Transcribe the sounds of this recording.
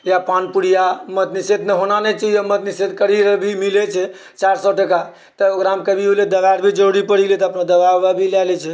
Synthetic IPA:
japanpuɽijamət̪nised̪neɦonanɛt͡ʃəjəmət̪nised̪kəɽiɾbʱimilɛt͡ʃʰɛ | t͡ʃaɾsɔʈəka | t̪əəɡɾamkəbʱioled̪əbaɾbʱid͡ʒəɽipəɽilet̪ɔəpnad̪əbaʋabʱilalɛt͡ʃʰɛ

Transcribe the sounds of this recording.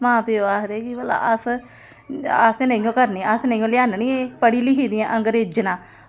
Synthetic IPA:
mãːpeoaːsd̪eːkibəla̰ʔəs | əsnəĩːõːkəɾniːəsnəĩːõːlɪjaːnniːepəɽiːliːɦiːd̪iãːʔəŋɡəɾeːd͡ʒnãː

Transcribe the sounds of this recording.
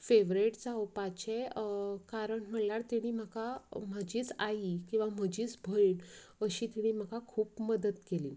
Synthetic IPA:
feʋɾeʈd͡zawpat͡ɕekaɾəɳm̤əljaɽt̪iɽ̃iːm̤akam̤əd͡ʑiːt͡saikĩw̃ʋam̤əd͡ʑiːt͡sbʱəiɳ | əɕiːt̪iɽ̃iːm̤akakʰuːpməd̪ət̪keliː

